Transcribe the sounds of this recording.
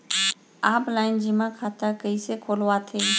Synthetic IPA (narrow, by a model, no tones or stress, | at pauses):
aːplaːɪnd͡ʒɪmãkʰaːt̪əkəisekʰoːlʋat̪ʰeː